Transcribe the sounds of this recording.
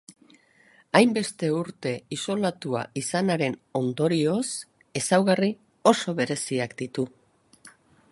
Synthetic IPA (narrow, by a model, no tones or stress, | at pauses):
ajmbe̞st̪e̞uɾt̪e̞iso̞lat̪ua̰isanaɾe̞no̞nd̪o̞ɾio̞s | e̞sawɣari | o̞so̞βe̞ɾe̞siakd̪it̪u